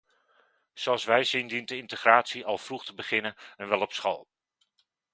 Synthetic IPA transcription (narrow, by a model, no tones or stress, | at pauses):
z̥oɑlˠsʋɛjzɪndintəɪntəχraːtsiɑlˠv̥ruχtəbəχɪnənɛnʋɛlˠɔpsχɑ̰lˠ